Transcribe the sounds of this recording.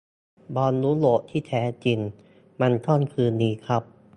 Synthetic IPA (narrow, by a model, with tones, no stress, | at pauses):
bɔː˧nːuː˦˥lo˨˩ʔt̪ʰiː˥˩t̪ʰɛː˩˦˥t͡ɕi˧n | ma˧nt̪ʰɔː˥˩nkʰɯː˧nːiː˧˥kʰɾa˦˥p̚